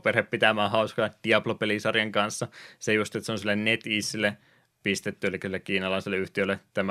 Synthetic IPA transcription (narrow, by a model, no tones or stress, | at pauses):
perheppit̪æmæːhɑuskɑd̥̪iɑplopelisɑrjɑŋkɑnsːɑsejust̪iet̪seonsilːennet̪iːsilːˑe | pist̪et̪ːyelikːæsilːekiːnɑlɑˑiselːˑeyht̪iølːˑet̪æmæ